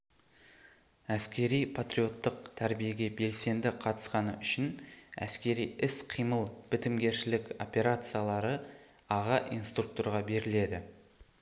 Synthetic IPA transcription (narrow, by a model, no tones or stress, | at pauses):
æskʲe̞ɾijpʰat̪rʲijo̞t̪ːəq̚t̪ʰæɾbije̞ɡʲe̞be̞lse̞nd̪ɪqʰɑt̪ə̥sqɑnəʏʃɪnæ̰skʲe̞ɾijɪsqʰijməlˠb̥ɪt̪ɪmɡʲe̞ɾʃɪlɪko̞pʲe̞ɾat̪sɨjalˠɑɾə | ɑʁɑʔijnst̪ruk̚t̪oɾʁɑbe̞ɾɪle̞d̪ɪ